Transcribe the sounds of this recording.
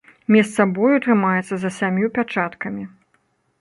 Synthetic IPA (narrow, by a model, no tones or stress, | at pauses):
mʲɛst̪sabɔjut̪ɾɨmajɛt̪sɐzɐsʲamʲjupʲat͡ʂat̪kɐmʲi